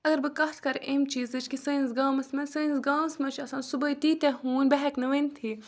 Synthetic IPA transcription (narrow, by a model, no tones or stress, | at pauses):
ɐɡɐɾbɨkɐht̪ʰkɐɾʔemt͡ʃiːzɨt͡ʃkisɐnzɡaːmɐsmɐsɨnzɡaːmɐsmɐt͡ʃʰɐsaːnsubɐit̪iːt̪eɦuːnbɐɦɛknɐʋenʲt̪ʰi